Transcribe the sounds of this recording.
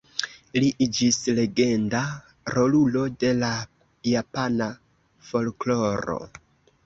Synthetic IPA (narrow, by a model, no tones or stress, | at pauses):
liʔid͡ʒisle̞ɡe̞nda | ɾo̞lulo̞de̞la | japana | fo̞lklo̞ɾo̞̰